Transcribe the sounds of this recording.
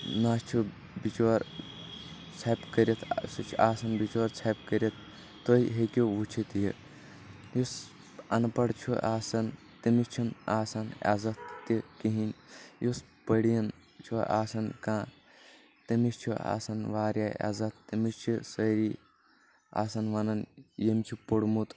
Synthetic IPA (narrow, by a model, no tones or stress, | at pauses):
naːst͡ʃʰu | bit͡ʃoɾ | t͡sʰɐpkɐɾit̪ʰsɨt͡ʃʰuʔaːsɐnbit͡ʃoːɾt͡sʰɐpkɐɾit̪̚ː | oːiɦekʲoʋut͡ʃʰit̪jḭ | jus | ɐ̰npɐɽt͡ʃʰuʔaːsɐn | t̪imist͡ʃʰunaːsɐna̰zɐt̪̚ːikiɦinʲjus | pəɽijɐn | t͡ʃʰuʔaːsɐnkãː | t̪imist͡ʃʰua̰ːsɐnʋaːɾʲjaa̰zɐt̪ʰːimist͡ʃʰisɐɾi | a̰ːsɐnʋɐnɐnjemt͡ʃʰipoɽmut̪